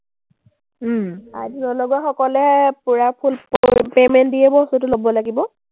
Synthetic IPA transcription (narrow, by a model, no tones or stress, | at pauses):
a̰dinɔlɔɡuaxɔkɔlɛpuɹapʰulpemɛntdiɛbɔstutʊlobɔlaɡibɔ